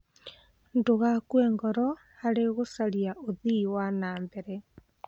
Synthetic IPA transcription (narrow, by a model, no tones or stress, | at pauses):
ndoɣakwɛːŋɡɔɾɔ | aɾeɣosaliaʔoðiwanaːmbɛɾɛ